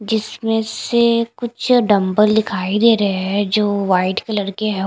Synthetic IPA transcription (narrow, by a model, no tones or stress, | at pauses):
d͡ʒɪsmẽsekʊt͡ʃʰɖɐ̃mbəld̪ɪkʰaːid̪eːɾɐɦeɦɛd͡ʒoːʋaːɪʈkelɐɽkeɦɛ